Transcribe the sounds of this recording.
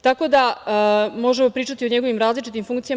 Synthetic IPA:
t̪ako̞d̪a | mo̞ʒemo̞pɾiːt͡ʃat̪io̞ɲe̞ɡo̞ʋimɾaːzlit͡ʃit̪imfuŋkt̪sija

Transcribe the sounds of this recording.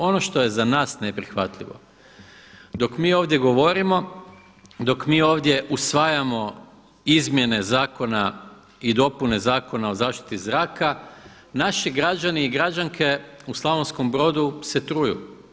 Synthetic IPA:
o̞no̞ʃt̪o̞je̞zanaːsne̞pɾixʋat̪lʲḭʋo̞̰ | d̪o̞kmiːo̞ːʋd̪je̞ɡo̞ʋo̞ɾimo̞ | d̪o̞kmiːo̞ːʋd̪je̞ʔusʋaːjamo̞ | izmje̞ne̞zaːko̞na | id̪o̞pune̞zaːko̞nao̞zaːʃt̪i̥t̪izɾaːka | naʃiɡɾad͡ʒaniiɡɾad͡ʑaŋkʰe̞uslˠaʋonsko̞mbɾo̞ːd̪use̞t̪ɾujṵ

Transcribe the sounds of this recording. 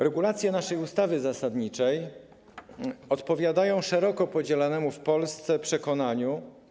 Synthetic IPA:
ɾɛɡulat̪sʲjɛnaʂɛjust̪avɘzasad̪ɲit͡ʂɛj | ɔt̪pɔvʲjad̪ajɔ̃w̃ʂɛɾɔkɔpɔd͡ʑɛlanɛmufpɔlst̪sɛpʂɛkɔnaɲu

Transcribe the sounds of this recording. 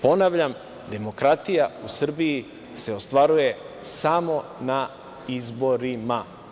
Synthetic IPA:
po̞naʋʎam | d̪e̞mo̞kɾat̪ijausr̩biji | se̞ost̪ʋaɾuje̞ | samo̞na | izbo̞ɾima

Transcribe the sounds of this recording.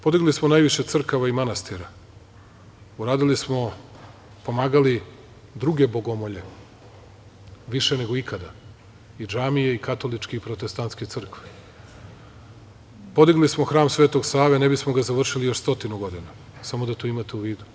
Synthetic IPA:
po̞d̪iɡlismonaːjʋiʃe̞t̪sr̩kaʋaimanast̪iɾa | uɾaːd̪ilismo̞ | po̞maːɡali | d̪ɾuɡe̞bo̞ɡo̞moʎe̞ | ʋiʃene̞ɡo̞ikʰad̪a | id͡ʒaːmijeikat̪o̞lit͡ʃkeipɾot̪est̪ant̪sket̪sɨr̩kʋe̥ | po̞d̪iɡlismo̞xɾaːmsʋeːt̪o̞ɡsaːʋenebismo̞ɡazaʋr̩ʃilijo̞ʃst̪o̞t̪inuɡo̞d̪ina | samod̪at̪oːimat̪euʋiːd̪u

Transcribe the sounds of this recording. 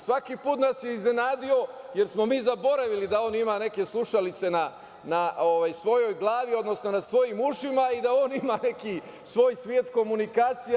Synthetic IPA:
sʋakipuːt̪nasjeizne̞naːd̪io̞ | je̞ɾsmo̞miːzabo̞ɾaʋilid̪ao̞ːnimane̞ke̞slˠuʃalit̪se̞na | naoʋajsʋo̞jo̞jɡlˠaːʋio̞d̪no̞sno̞nasʋo̞jimuʃimaid̪ao̞ːnimane̞ki | sʋo̞ːjsʋjeːt̪ko̞munikaːt̪sij

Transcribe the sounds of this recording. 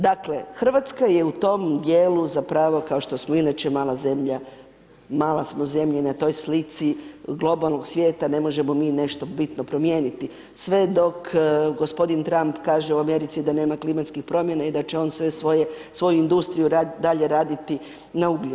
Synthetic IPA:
d̪akle̞̰xr̩ʋat̪skaje̞ut̪o̞md̪jeːluzapɾaːʋo̞kaoʃt̪o̞smoinat͡ʃemaːlˠaze̞mʎa | maːlˠasmoze̞mʎenat̪o̞jslit̪siɡlˠo̞balˠno̞ɡsʋjeːt̪ane̞mo̞ʒe̞mo̞miːne̞ʃt̪o̞bit̪no̞pɾo̞mje̞ːnit̪i | sʋe̞d̪o̞kɡo̞spo̞d̪int̪ɾampkaːʒeuame̞ɾit̪sid̪ane̞ːmaklimat̪skixpɾo̞mje̞naid̪at͡ʃe̞o̞ːnsʋese | sʋo̞juind̪ust̪ɾijuɾad̪aʎe̞ɾaːd̪it̪i | nauɡi

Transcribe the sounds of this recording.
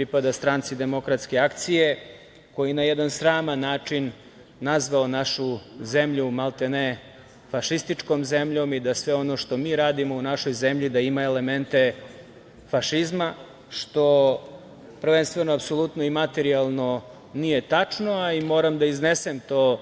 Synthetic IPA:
pɾipad̪ast̪ɾant̪sid̪e̞mo̞kɾat̪ske̞akt̪sije̞ | ko̞jinajed̪ansɾaːmanːaːt͡ʂinː | azʋaonaʃuze̞mʎumalˠt̪ene | faʃist̪it͡ʂko̞mze̞mʎo̞mid̪asʋeo̞no̞ʂt̪o̞miːɾaːd̪imo̞unaʃo̞jze̞mʎid̪aimaele̞ment̪e̞ | faʃizma | ʃt̪o̞ | pr̩ʋe̞nst̪ve̞noapso̞lˠut̪noimat̪e̞ɾialˠno̞ | nije̞t̪at͡ʂnoaimo̞ːɾamd̪aiznesemt̪oː

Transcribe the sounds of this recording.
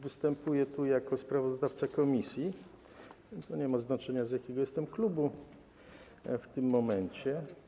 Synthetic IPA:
vɘst̪ɛmpujɛt̪ujakɔspɾavɔzd̪aft̪sakɔmʲisʲji | t̪ɔɲɛmaznat͡ʂɛɲazjakʲɛɡɔjɛst̪ɛmklubu | ft̪ɘmːɔmɛɲt͡ɕɛ

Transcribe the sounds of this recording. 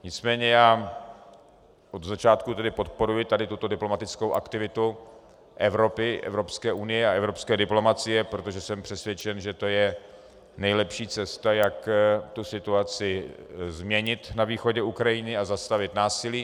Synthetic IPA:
ɲɪt͡smɛːɲɛjaː | ʔod̪zat͡ʃaːt̪kut̪ɛdɪpo̞t̪̚po̞ɾujɪt̪adɪt̪ut̪o̞dɪplo̞mat̪ɪt͡skowʔa̰kt̪ɪvɪt̪u | ʔɛvɾo̞pɪʔɛ̰vɾo̞pskɛːʔunɪjɛaʔɛvɾo̞pskɛːdɪplo̞mat͡sɪjɛpɾot̪o̞ʒɛsɛmpr̝̥ɛsvjɛt͡ʃɛnʒɛt̪o̞jɛ | nɛjlɛpʃiːt͡sɛst̪ajakt̪usɪt̪uat͡sɪzmɲɛɲɪt̪naviːxo̞ɟɛukɾajɪnɪazast̪avɪt̪naːsɪliː

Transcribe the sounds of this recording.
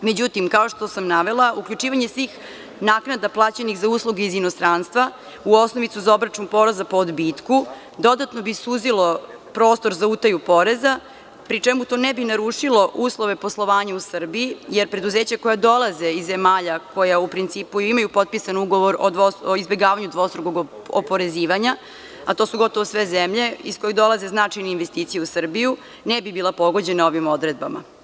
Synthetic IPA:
med͡ʑut̪imkao̞ʃt̪o̞samnaʋe̞lˠaʔukʎʲut͡ʂiːʋaɲesʋiːx | naːknad̪aplˠaːt͡ɕenixzauːslˠuɡeizinost̪ɾaːnst̪ʋa | uo̞sno̞ʋit̪uzao̞bɾat͡ʂunpo̞ɾezapoːd̪bit̪ku | d̪o̞d̪at̪no̞bisuzilˠo̞pɾo̞ːst̪o̞ɾzaut̪ajupo̞ɾe̞za | pɾit͡ʂemut̪o̞nɛbinaɾuːʂilo̞ʔuːslˠo̞ʋe̞po̞slˠo̞ʋaːɲausr̩biijeɾpɾe̞d̪uzeːt͡ɕako̞jad̪o̞lˠaze̞izːemaːʎakojaupɾint̪siːpuimajupo̞t̪̚pisanuɡo̞ʋoɾod̪ʋooizbe̞ɡaːʋaɲud̪ʋo̞st̪ɾuɡoɡ | o̰po̞ɾe̞ziːʋaɲa | at̪o̞ːsuɡo̞t̪oʋosʋezemʎe̞isko̞jed̪o̞lˠaze̞znat͡ʂajneinʋest̪iːt̪sijeusr̩biju | nɛbibiːlˠapo̞ɡo̞d͡ʑe̞nao̞ʋimo̞d̪ɾe̞d̪̚bama̰

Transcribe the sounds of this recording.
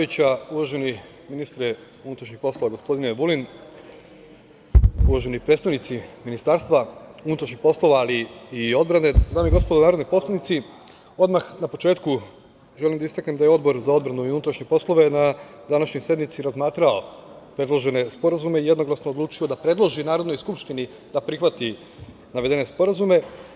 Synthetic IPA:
it͡ɕauʋaʒe̞ni | minist̪ɾe | unut̪ɾaʃɲixpo̞slˠo̞ʋaɡo̞spo̞d̪ineʋulin | uʋaʒe̞nipɾet̪st̪aʋnit̪siminist̪aɾst̪ʋaunut̪ɾaʃɲixpo̞slˠo̞ʋaːliio̞d̪̚bɾane̞d̪aːmiɡo̞spod̪onaːɾod̪nojpo̞slˠanit̪si | o̞d̪maxnapo̞t͡ʃeːt̪ku | ʒe̞limd̪aist̪aknemd̪ajeo̞d̪bo̞ɾzao̞d̪bɾanuiunut̪ɾaʃɲepo̞slˠo̞ʋe̞nad̪anaʃɲojsje̞d̪mit̪siɾazmaːt̪ɾao̞ | pɾe̞d̪lˠoʒe̞ne̞spo̞ɾazumeijed̪no̞ɡlˠasnoodluːt͡ʃio̞d̪apɾe̞d̪lˠoʒinaːɾod̪no̞jskupʃt̪ini | d̪̥apɾixʋat̪i | naʋe̞d̪e̞ne̞spo̞ɾazume̞

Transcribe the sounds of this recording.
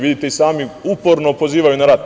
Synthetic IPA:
ʋid̪it̪eisaːmiupo̞ɾnopo̞ziːʋajunaɾat̪

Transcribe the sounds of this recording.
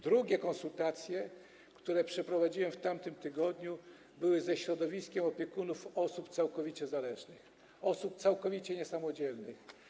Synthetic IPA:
d̪ɾuɡʲɛkɔnsult̪at̪sʲjɛ | kt̪uɾɛpʂɛpɾɔvad͡ʑiwɛmft̪amt̪ɘmt̪ɘɡɔd̪ɲu | bɘwɘzɛɕɾɔd̪ɔvʲiskʲɛmɔpʲjɛkunufɔsupt̪sawkɔvʲit͡ɕɛzalɛʐnɘx | ɔsup̚t̪sawkɔvʲit͡ɕɛɲɛsamɔd͡ʑɛlnɘ̰x

